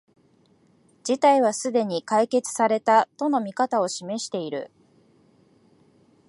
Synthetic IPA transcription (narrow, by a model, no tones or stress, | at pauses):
d͡ʑit̪aiβ̞asɨd̪e̞ɲ̟ikaike̞t͡sɨ̥saɾe̞t̪at̪o̞no̞mʲikat̪ao̞ɕime̞ɕi̥t̪e̞iɾɯ̟̰